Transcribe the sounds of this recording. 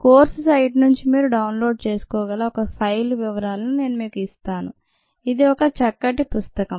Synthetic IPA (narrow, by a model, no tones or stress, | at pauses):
koːɾsusɐjʈnuɲt͡ʃimiːɾuɖɐwnlo̞ːɖt͡ʃe̞ːsu̥kɔːɡɐlaːɔkɐpʰɐjlʋiʋɐɾaːlɐnune̞ːnumiːkuist̪aːnu | id̪iɔkɐt͡ʃɐkːɐʈ̬ːipust̪ɐkɐm